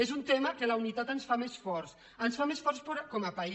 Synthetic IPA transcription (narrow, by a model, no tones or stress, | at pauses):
ezunt̪eməkələunit̪at̪ənsfamesfɔɾs | ənsfamesfɔɾspoɾkɔməpai